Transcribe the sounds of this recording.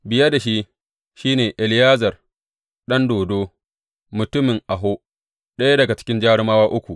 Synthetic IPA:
bɪ˨jɐ˦da˨ʃi˦ | ʃiː˦neː˨ʔɪ˨lɪ˦jaː˦zɐ˨r | ɗɐ˦ndoː˨doː˦ | mʊ˨tʊ˦mɪ˨ŋʔa˨ɦoː˦ | ɗɐ˦ja˦dɐ˨ɡa˨t͡ʃɪ̥˦kʲɪ˦nd͡ʒaː˦ɽɪ˦maː˦waː˦ʔʊ˦kʷu˨ʔ

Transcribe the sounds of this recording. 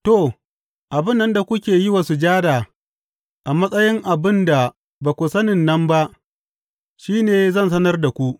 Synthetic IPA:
to˨ | ʔa˨bɪ˦nːɐ˦nda˨kʷʊ˦kʲeː˨ji˦wa˨su˨d͡ʒaː˦daː˨ | ʔa˨mɐ˦sʼɐ˦jɪ˦ŋʔa˨bɪ˦nda˨ | ba˨kʷʊ˨sɐ˦nɪ˨nːɐ˦mba˦ʔ | ʃiː˦neː˨zɐ˦ns̬ɐ˦nɐ˦rda˨kʷu˦ʔ

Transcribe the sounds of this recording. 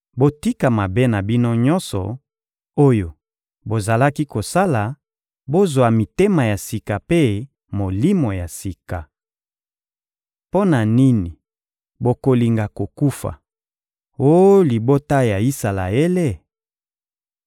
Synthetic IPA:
bo˦ti˦ka˨ma˨be˦na˨bi˦no˦ɲɔ˦nsɔ̰˨ | o˦jo˨ | bo˨za˨la˦ki˦ko˨sa˦la˨ | bo˦zwa˨mi˨te˦ma˨ja˨si˨ka˨pe˦ | mo˨li˦mo˨ja˨si˨ka˨ | po˦na˨ni˦ni˨ | bo˨ko˨li˨ŋɡa˨ko˨ku˦fa̰˨ | o˦jli˨bo˦ta˦ja˨i˦sa˨la̰˨e˦le˦˨

